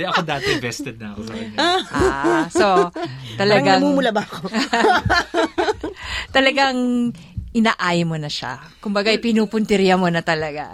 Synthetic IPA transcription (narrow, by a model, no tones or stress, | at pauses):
d̪ɛʔɐkod̪aːt̪vɛst̪ɛd̪̚nɐɐkot̪ɐɐɡ | sot̪ɐlɐɡaɐmuːmʊlabɐko | t̪ɐlɐɡaŋ | ʔɪnaːʔajmonɐʃa̰ | kʊmbɐɡaʔɪjpɪnuːpʊnt̪ɪɾjɐmonɐt̪ɐlɐɡa̰